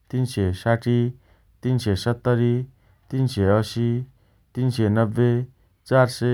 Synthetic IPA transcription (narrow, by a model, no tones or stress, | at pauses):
t̪insesaʈi | t̪insesət̪ːəɾi | t̪inseəʃi | t̪insenəbːe | t͡ʃaɾse